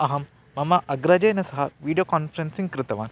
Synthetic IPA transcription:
ɐɦɐmː | ɐmɐʔɐɡɾɐd͡ʒɐjnɐsɐɦɐʋiːɖijoːkaːnfʰɐɾensiŋkɾɪt̪ɐʋaːn

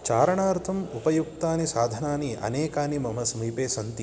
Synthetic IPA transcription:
t͡ʃaːɾɐɳaːɾt̪ʰɐmupɐjuk̚t̪aːnisaːd̪ʱɐnaːniʔɐ̰neːkaːnimɐm̤ɐsɐmiːpeːsɐnt̪i

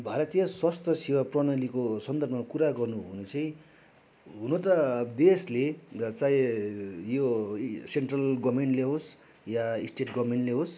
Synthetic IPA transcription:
bʱaɾʌt̪ijʌswast̪ʰʌsiwaprʌnʌlikosʌnd̪ʌrbʱʌmakuɾaɡʌrnuɦunet͡sʌĩ | ɦunot̪ʌd̪eslet͡sãĩ | joseɳʈrʌlɡʌbmeɳʈleɦos | jaisʈeʈɡʌbmeɳʈleɦos

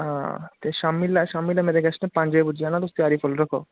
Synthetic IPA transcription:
at̪eʃamːilːaʃamːilːamed̪eɡɛsnepãnd͡ʒɔjbuianalost̪iaɾifolɾokʰo

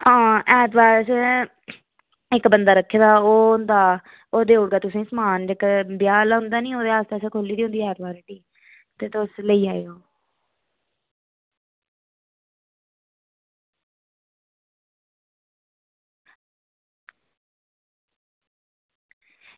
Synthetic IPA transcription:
ãːɛːt̪baːɾs | ɪkbənd̪aːɾəkʰːeːd̪aːoːʊnd̪aː | oːd̪eːʊɽɡaːt̪ʊsẽːsmaːnɪkbɪjaːlɦʊ̃nd̪aːnĩːoːd̪eːaːst̪eːseːkʰoːliːd̪iːʊ̃nd̪iːɛːɾbaːɾediː | t̪eːt̪ʊsləiːaːeoː

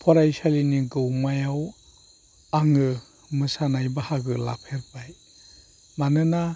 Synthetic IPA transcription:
pʰɔɾajsaliniɡɯwmajaw | aŋɯ | mɯsanajbahaɡɯla̰pʰeɾpaj | manɯna

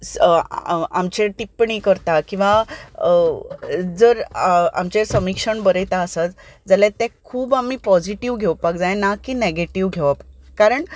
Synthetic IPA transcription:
a̰mt͡ɕẽʈipɳiːkəɾt̪akĩw̃ʋa | d͡zəɾa̰mt͡ɕesəmikʂəɳbəɾet̪aəsat̪d͡zaljat̪ɛ̃kʰuːbam̤ipɔd͡ʑiʈiʋɡʱeʋpakd͡zajnakiːneɡeʈiʋɡʱeʋapaːaɾəɳ

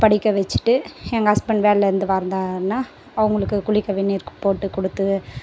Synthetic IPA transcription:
pɐɽɪkːɐʋɛt͡ʃːɯ̥ʈːɯɛŋɡɐɐspɐɳʋeːlɛɾɯnd̪ɯʋaːɾnd̪aːɾɯnːaː | ɐʋɐŋɡɐɭɯkːɯkʊɭɪkːɐʋɛnːiɾɯkːɯ̥poːʈːɯkɔɽɯt̪ːɯ

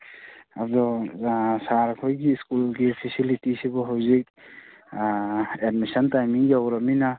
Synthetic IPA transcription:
adɔ | saɾkʰojɡiskulɡipʰisilitisibɔɦawzik̚ | edmisɔntajmiŋjawɾamina

